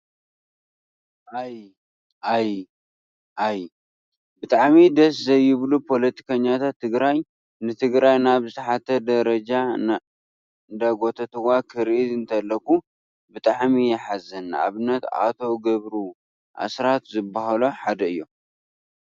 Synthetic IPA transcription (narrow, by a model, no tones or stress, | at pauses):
ʔaj | ʔaj | ʔaj | bɨt̪ʼaʕmid̪ɐs̬zɐjːɪβlupʰo̞lɐt̪ʰi̥kʰɐɲːat̪ʰat̪ʰːɨɡɾaj | nɨt̪ʰɨɡɾajnaβzɨt̪ʰɐħat̪ʰːɐd̪ɐɾɐd͡ʒan | nd̪aɡo̞t̪ʰɐt̪ʰɨwakʰɨɾʔid̪ɨnt̪ʰɐlːɐkːu | bɨt̪ʼaʕmijɛħazːɐnːʔa̰βɨnːɐt̪a̰t̪ʰo̞ɡɐβɾu | ʔa̰sɾat̪zɨbːaɦaloħad̪ɐɨjːo